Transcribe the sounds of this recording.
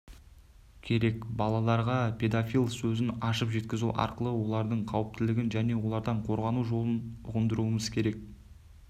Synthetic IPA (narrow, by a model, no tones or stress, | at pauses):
kʲʰe̞ɾe̞kbɑlˠɑlˠɑɾʁɑpʰʲe̞d̪afʲijlˠsɵzɪnɑʃəpʒe̞t̪̚kʲɪzṵʔɑ̰ɾqəlˠəwo̞lˠɑɾd̪əɴqʰɑwəp̚t̪ɪlɪɡʲɪnʒæne̞wo̞lˠɑɾd̪ɑɴqʰo̞ɾʁɑnuʒo̞lˠənʊʁənd̪əɾuəməz̥kʲʰe̞ɾe̞k̚